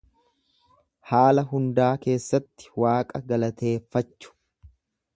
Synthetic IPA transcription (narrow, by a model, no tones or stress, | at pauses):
haːlɐɦʊnd̪aːke̞ːsːɐt̪ːɪ̥waːkʼɐɡɐlɐt̪e̞ːfːɐt͡ʃːʊ̥